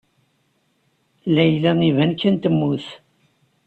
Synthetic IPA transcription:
læjlæŋivænkːənt̪əmːuθ

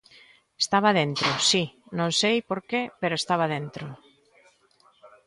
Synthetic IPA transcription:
est̪aβ̞aðent̪ɾosinõnsejpoɾkepeɾoest̪aβaðent̪ɾo

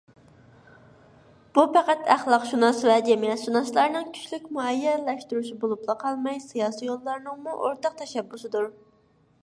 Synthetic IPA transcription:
b̥upʰæqæt̪ʰæχlˠɑqʃunɑsvɛd͡ʒɛmijɛt̪ʃunɑslˠɑɾnɨŋkʲʰy̥t͡ʃlykʲmuɛjːɛlɛʃt̪yɾuʃibolˠuplˠɑqʰɑlˠmɑjsɨjɑːsijolˠːɑɾnɨŋmuʔoɾt̪ɑq̚t̪ʰɛʃɛbːusɨd̪uɾ

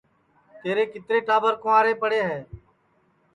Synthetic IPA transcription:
t̪eːɾeːkɪt̪ɾeːʈaːbəɾkʊ̃ʋaːɾeːpəɽeːɦɛː

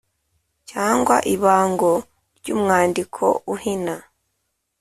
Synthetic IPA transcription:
caːŋɡwa̰ʔiβaːŋɡo̞ | ɾɟuːmŋaːndikʰo̞̰uhina

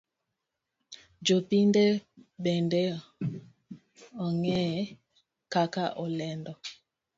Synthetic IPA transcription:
d͡ʒopindebɛndɛ | ɔŋɛ | kakaʔɔlɛndɔ

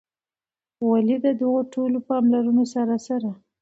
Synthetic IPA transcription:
walid̪əd̪ʊɣoʈolopɑmlaɾunosaɾasaɾa

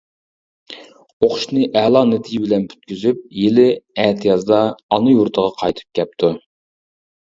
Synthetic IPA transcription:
oχʊʃnɨʔɛlˠɑnet̪ʰɪjibɪlɛnpʰy̥t̪̚kʲyzyp̚jelɪɛt̪ʰɨjɑzd̪ɑːnɨjuɾt̪ʰəʁɑqʰɑjt̪ʰɨ̥p̚kʲɛp̚t̪ʰu

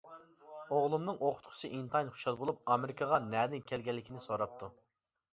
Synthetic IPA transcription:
oʁlˠumnɨŋʔoqʰʊ̥t̪qʰʊ̥sʰɨʔint̪ʰɑjnχu̥ʃɑlˠbolˠup̚ɑmɪɾɪkʰɑʁɑnɛd̪ɪnkʲʰɛlɡʲɛlːɪkʲinɪsoɾɑp̚t̪ʰu

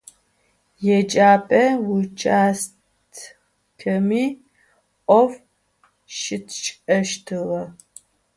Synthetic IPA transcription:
jɛd͡ʒaːpʼɐwʊt͡ʃʰʼaːs | tʰ | kʰɐmiː | ʔʷʼɔf | ʃɪtʰt͡ʃʼɐʃtʰɨʁɐ

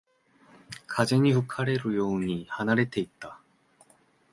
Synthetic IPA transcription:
kad͡ʑe̞ɲiɸɯkʰaɾe̞ɾɯjoɯɲihanaɾe̞t̪ʰe̞it̚t͈a

